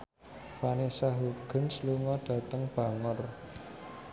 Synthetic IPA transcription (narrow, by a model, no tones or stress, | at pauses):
fanesaɦuɡ̥ə̤nsluŋɔɖ̥ä̤t̪əŋb̥a̤ŋʊr